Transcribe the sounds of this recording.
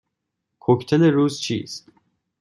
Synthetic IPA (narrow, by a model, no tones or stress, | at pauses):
kʰokʰt̪ʰɛlɛɾuːzt͡ʃʰḭːst̪